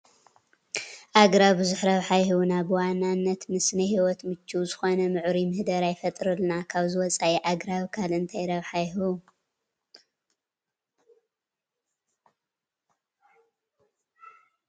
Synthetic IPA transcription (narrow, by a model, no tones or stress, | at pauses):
ʔaɡɾaβɨzʊħɾɐβħajhunabɨwanːanːɐt̪mɨsnɨhiwɔt̪mɨt͡ʃːuzɨxo̞nɐmɨʕɾimɨhd̪ɐɾajfɐt̪ʼɾɨlnakʰaβzɨwɔt͡sʼaʔiʔaɡɾaβkʰalɨnt̪ʰajɾɐβħajɦu